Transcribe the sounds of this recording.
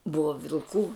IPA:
ˈbʊʋɐ ʋʲɪlˠˈkuː

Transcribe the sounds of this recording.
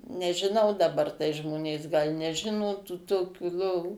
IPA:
nʲɛʒʲɪˈnɐʊ dɐˈbɐr tɐɪ ˈʒmoːnʲeːs ɡɐlʲ nʲɛˈʒʲɪnoː tuː toːˈkʲuː ˈlˠoːʋuː

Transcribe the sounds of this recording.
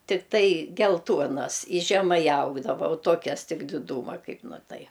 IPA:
tʲɪkˈtɐɪ ɡʲɛlˠˈtuɔnɐs ɪ ʒʲɛˈmɐɪ ˈɐʊɡdɐʋoː oː ˈtuɔkʲɛs ˈtʲɪk dʲɪˈduːmɐ ˈkɐɪp ˈnʊ ˈtɐɪ

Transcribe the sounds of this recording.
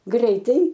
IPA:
ˈɡrʲɛɪtɐɪ

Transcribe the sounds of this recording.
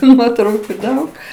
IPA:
tʊ ˈnuɔtrɐʊkʊ ˈdɐʊk

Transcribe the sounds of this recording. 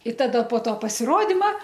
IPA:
ɪ ˈtɑːdɐ poː ˈtoː pɐsʲɪˈroːdʲɪmɐ

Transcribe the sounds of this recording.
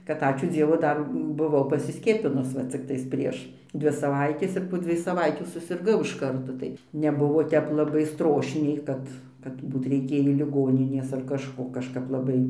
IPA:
kɐt ˈɑːt͡ʃʲuː ˈd͡zʲiɛʋʊ ˈdɐr bʊˈʋɐʊ pɐsʲɪˈsʲkʲiɛpʲɪnʊs ˈʋɐ t͡sʲɪkˈtɐɪs ˈpʲrʲiɛʃ ˈdʲʋʲɪ sɐˈʋɐɪtʲeːs ɪr poː ˈd͡zʲʋʲiɛj sɐˈʋɐɪtʲuː sʊsʲɪrˈɡɐʊ ɪʃ ˈkɐrtoː tɐɪ nʲɛˈbʊʋoː ˈtʲɛp lˠɐˈbɐɪ ˈstroːʃʲnʲɛɪ ˈkɐt kɐt ˈbuːt rʲɛɪˈkʲeːjiː lʲɪˈɡoːnʲɪnʲeːs ɐr kɐʃˈkoː kɐʃˈkɐp lˠɐˈbɐɪ

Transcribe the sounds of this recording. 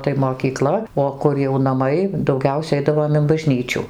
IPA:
tɐɪ moːkʲiːˈklˠɐ oː ˈkʊr jɛʊ nɐˈmɐɪ dɐʊˈɡʲɛʊsʲɛ ˈɛɪdɐʋoːm ɪn bɐˈʒʲnʲiːt͡ʃʲʊ

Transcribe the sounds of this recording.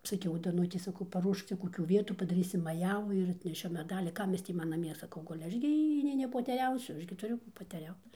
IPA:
sɐˈkʲɛʊ dɐˈnʊtʲɛɪ sɐˈkɐʊ pɐˈruɔʃk ˈt͡sʲɛ koːˈkʲuː ˈʋʲiɛtuː pɐdɐˈrʲiːsʲɪm mɐˈjæːʋuː ɪr ɐtʲnʲɛˈʃʲʊ mʲɛˈdɑːlʲiː ˈkɐm ˈjɪs tʲiː ˈmɐn nɐˈmʲiɛ sɐˈkɐʊ ˈɡʊlʲɪ ˈɐʃ ɡʲɪ ˈjiː nʲɛɪ nʲɛpoːtʲɛˈrʲɛʊsʲʊ ˈɐʃ ɡʲɪ tʊˈrʲʊ kuː poːtʲɛˈrʲɛʊt

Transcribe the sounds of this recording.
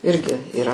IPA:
ˈɪrʲɡʲɪ iːˈrɐ

